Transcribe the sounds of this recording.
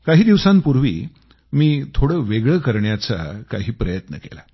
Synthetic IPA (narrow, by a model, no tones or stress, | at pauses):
kaɦiːd̪iʋsãmpuɾʋḭː | miːt̪ʰoɽəːʋeɡɭəkəɾɳjat͡sa̰kaɦiːpɾəjət̪nə̰kḛla